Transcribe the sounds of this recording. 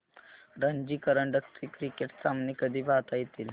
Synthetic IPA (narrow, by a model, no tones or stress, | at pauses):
ɾəɲd͡ʒikəɾəɳɖəkt̪ɾikɾikeʈsamnikəd̪ʱibaːt̪ajt̪il